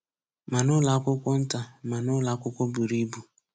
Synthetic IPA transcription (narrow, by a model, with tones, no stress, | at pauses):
ma˨nʊ˦la˨˦kʷʊ˦kʷʊ˦n̩˦ta˨ma˨nʊ˦la˨˦kʷʊ˦kʷʊ˦bu˨ɾi˦bu˨